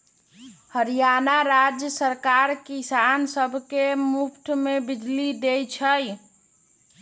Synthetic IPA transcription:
həɾijanaɾad͡ʒjəsəɾkaɾkisansəbʱkemupʰʈ̪mebɪd͡ʒlid̪ejt͡ʃʰəj

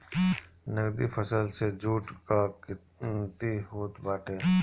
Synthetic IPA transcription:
nəɡd̪ifʰəsəlsed͡ʒuːʈkakɪ | t̪iɦoːt̪baːʈʰeː

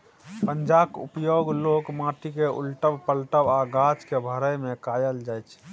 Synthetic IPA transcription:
pənd͡ʒakṵpjoɡlokmaʈikeṵlʈəbpəlʈəbaɡat͡ʃkebʱəɾəjmekajəld͡ʒajt͡ʃʰ

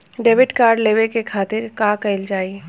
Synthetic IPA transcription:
ɖeːʋɪʈkaːɾɖleːʋekekʰaːt̪ɪɾkaːkɐɪld͡ʒaːie

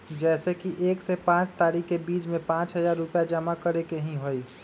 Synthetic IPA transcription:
d͡ʒɛːsekiʔeːksepãːt͡ʃt̪aːɾikːebiːt͡ʃmẽpãːt͡ʃɦəzaːɾːʊpjad͡ʒəmakəɾekeɦĩɦoi

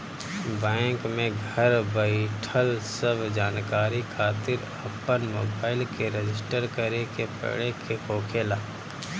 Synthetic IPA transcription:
bɛ̃ːŋkmẽɡʱəɾbəiʈʰəlsəbʱd͡ʒaːnkaːɾikʰaːt̪ɪɾ | ɐpːənmoːbaːɪlkeɾed͡ʒɪsʈəɾkəɾekepə̰ɽekʰeɦoːkʰelaː

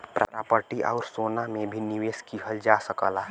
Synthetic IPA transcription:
pɾa̰pɾa̰ːpəɾʈiʔa̰ːɾsoːnamẽbʱiniʋeːskiɦəld͡ʒaːsəkə̰laː

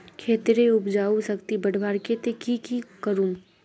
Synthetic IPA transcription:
kʰeːt̪ɾeʊpd͡ʒaːusɐkt̪ibəɽ̤ʱbaːɾket̪ekikikəɾuːn

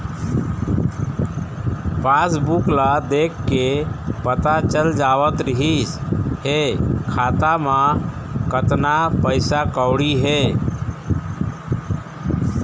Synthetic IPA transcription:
pʰasbuklad̪ekːepət̪at͡ʃəld͡ʒaːʋət̪ɾɪɦisɦekʰaːt̪amã | kət̪napəɪsakəʊɽiɦe

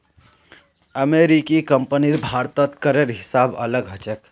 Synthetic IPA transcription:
əmeɾikikəmpəniɾbʱaɾt̪ət̪kəɾeɾɦɪsaːbələɡɦət͡ʃek

